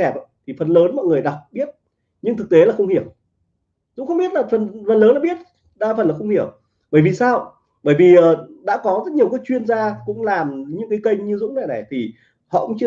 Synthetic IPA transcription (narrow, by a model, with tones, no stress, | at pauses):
ɛ˨˩p̚a˧˦t̪ʰi˨˩fə˨˩nləː˨˦nmɔ̰˧˨jŋɨ˨˩əjɗa˨˩wk͡p̚ɓi˦˥ət̚ | ɲɨ˧ŋt̪ʰɨ˨˩k̚t̪e˨˦laː˨˩xə˧wŋ͡mhi˧˩əw | zʊ̰˧˥ŋ͡mxə˧wŋ͡mɓi˦˥ət̚laː˨˩fə˨˩nfə˨˩nləː˨˦laː˧˩ɓi˦˥ət̚ | ɗaː˧fə˨˩nlaː˨˩xə˧ŋ͡mhi˧˩əw | ɓəː˧˩jvi˨˩saː˧w | ɓəː˧˩jvi˨˩ʔəː˨˩ɗa̰ː˧˥kɔ˨˦zə˦˥t̚ɲ˨˩əwkə˨˦t͡ɕwi˧ənzaː˧kʊ̰˧˥ŋ͡mlaː˨˩mɲɨ̰˧˥ŋkaː˨˦jkə˧jŋɲɨ˧zʊ̰˧˥ŋ͡mna˨˧˩na˨˩jt̪ʰi˨˩ | hɔ̰˧˨kʊ̰˧˥ŋ͡mt͡ɕɨ˧